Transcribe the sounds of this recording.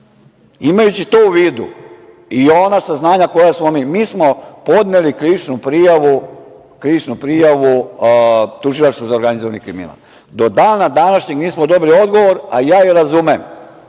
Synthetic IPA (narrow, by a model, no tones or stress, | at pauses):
imajut͡ɕit̪ouʋiːd̪ṵ | ionasaznaːɲako̞jasmo̞miːmiːsmo̞po̞d̪nelikɾiʋit͡ʃnupɾijaʋu | kɾiʋit͡ʃnupɾijaʋu | t̪uʒilˠaʃt̪ozaoɾɡanizoʋanikɾimḭna̰l | d̪o̞d̪aːnad̪anaʃɲeɡniːsmod̪o̞bilio̞d̪ɡo̞ʋo̞ɾajaːiɾazumem